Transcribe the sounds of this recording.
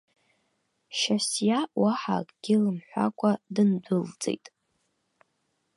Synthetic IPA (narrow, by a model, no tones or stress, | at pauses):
ʃasjawaħa̰kʼɡ̥ʲɪlɨmħʷa̰kʷʰʼadɨndʷʊld͡zʼe̞̰jtʼ